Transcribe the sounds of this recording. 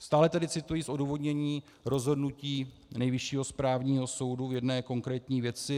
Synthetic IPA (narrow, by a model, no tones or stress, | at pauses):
st̪aːlɛt̪adɪt͡sɪt̪ujiːsʔo̞duːvo̞dɲɛɲiː | ɾo̞zɦo̞dnuciː | nɛjvɪʃiːɦo̞spɾaːvɲiːɦo̞so̞wduvjɛdnɛːko̞ŋkɾɛːt̪ɲiːvjɛt͡sɪ